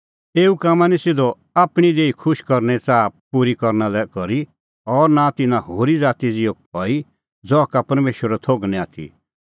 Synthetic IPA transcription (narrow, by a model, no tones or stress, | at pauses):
eːukaːmanɛsɪd̪ɔ | aːpɽ̃id̪eːikʰʊʃkɔɾnɛt͡saːpuɾikɔɾnalɛkɔɾi | ɔɾnat̪ɪnãɦoːɾid͡zaːt̪id͡zɪoɦɔːi | d͡zɔkapɐɾmeːʃwəɾɛt̪ʰoːɡnɛ̃aːt̪ʰḭ